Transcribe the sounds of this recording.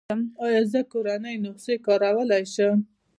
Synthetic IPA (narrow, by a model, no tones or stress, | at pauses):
əmɑjɑzəkoɾanəjnoqsekɑɾawəlajʃəm